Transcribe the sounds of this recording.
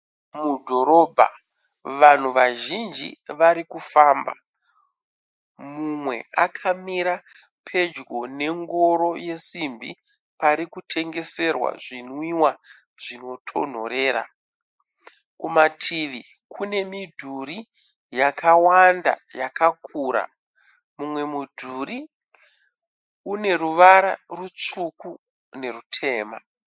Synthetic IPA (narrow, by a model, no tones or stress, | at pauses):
mudʱo̞ɾo̞bʱa̰ | ʋan̤uʋaʒind͡ʒḭʋaɾikufaːmba̰ | mumwe̞̰akʰamiɾa | pʰe̞d͡ʒɡo̞ne̞ŋɡo̞ɾo̞je̞simbḭ | paɾikutʰe̞ŋɡe̞se̞rwa̰ʐinwiwa | ʐ̥ino̞tʰo̞̰n̤o̞̰ɾe̞ːɾa̰ | kumatʰiʋi | kʰune̞midʱuɾi | jakawanda̰jakakʰuɾa̰ | mumwe̞mudʱuɾi | une̞ɾuʋaɾa̰rut͡ʂuku | ne̞rutʰe̞ːma̰